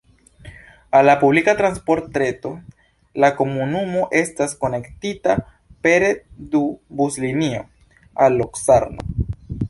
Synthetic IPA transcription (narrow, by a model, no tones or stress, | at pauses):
alːapublikatɾanspo̞ɾtːɾe̞to | lako̞munumo̞ʔe̞stasko̞ne̞ktita | pe̞ɾedubuslinio̞ | alːoksaɾno̰